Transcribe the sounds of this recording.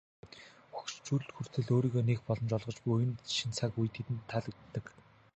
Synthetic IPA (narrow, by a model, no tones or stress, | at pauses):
xukt͡ɕt͡ɕuɮt̪xur̥t̪ʰɘ̆ɮoːɾiːɣoːnekpɔɮɞ̆mt͡ɕɔɮʁɞ̆t͡ɕpujɘ̆nʃint͡sʰakujt̪ʰet̪ɘ̆nt̪ʰːaɮɵ̆ːɘ̆k